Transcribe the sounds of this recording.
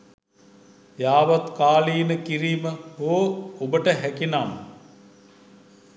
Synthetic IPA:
jaːʋat̪kaːliːnəkiɾiːməɦoːobəʈəɦækinam

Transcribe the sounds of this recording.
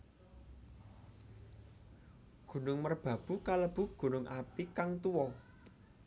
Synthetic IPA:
ɡ̥ṳnʊŋmərb̥ä̤b̥ṳkaləb̥ṳɡ̥ṳnʊŋʔapikaŋt̪uwɔ

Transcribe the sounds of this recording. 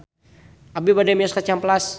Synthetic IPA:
ʔabibadɛmjɔskat͡ʃamplas

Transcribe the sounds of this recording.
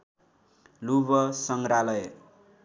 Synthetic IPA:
luβʌsʌŋɡɾalʌj

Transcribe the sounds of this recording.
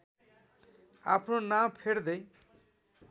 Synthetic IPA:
a̰pʰnonampʰeɽd̪ʌj

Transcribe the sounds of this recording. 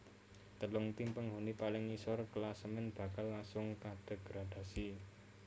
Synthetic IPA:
t̪əlʊŋt̪impəŋɦunipalɪŋisɔrkəlasəmɪnb̥a̤kalːasʊŋkad̪̥ə̤ɡ̥ɾad̪̥a̤si

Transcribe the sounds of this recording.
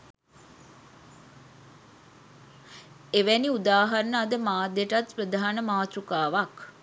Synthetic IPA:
eʋæniud̪aːɦaɾnəad̪əmaːd̪eʈat̪prəd̪ʱaːanəmaːt̪ɾukaːʋak

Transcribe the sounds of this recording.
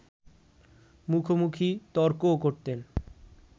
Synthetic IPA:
mukʰomukʰit̪ɔɾkokoɾt̪en

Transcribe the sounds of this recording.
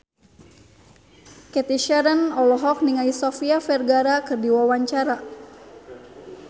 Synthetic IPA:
kɛt̪iʃɛɾənɔlɔɦɔk̚niŋaisɔfiafɛrɡaɾakɨrdiwawaɲt͡ʃaɾa

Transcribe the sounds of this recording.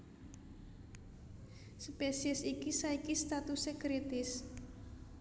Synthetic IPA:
spesiəsikisaikist̪at̪usekɾit̪ɪs

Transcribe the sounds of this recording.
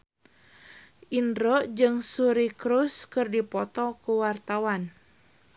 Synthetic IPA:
ʔinɾoʔd͡ʒɨŋsuɾikɾuskɨrdipɔt̪ɔkuwart̪awan

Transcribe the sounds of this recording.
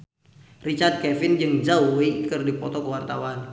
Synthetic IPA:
rit͡ʃard̪̚kɛfɪnd͡ʒɨŋd͡ʒawwekɨrdipɔt̪ɔkəwart̪awan

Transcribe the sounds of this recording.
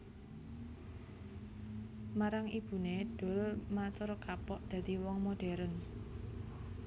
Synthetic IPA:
maɾaŋib̥ṳneɖ̥o̤lmat̪oɾkapɔʔd̪̥ä̤d̪̥i̤wɔŋmoɖ̥ɛ̤ɾən

